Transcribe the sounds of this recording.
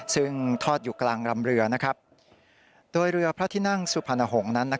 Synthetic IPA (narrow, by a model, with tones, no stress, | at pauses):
sɯ˦˥˩ŋt̪ʰɔː˥˩t̪̚juː˨˩klaː˧ŋɾa˧mɾɯ˧ɐna˦˥kʰɾa˦˥p̚ | doː˧jɾɯ˧ɐpʰɾa˦˥t̪ʰiː˥˩na˥˩ŋsu˨˩pʰa˧na˧ɦo˩˦ŋna˦˥nːa˦˥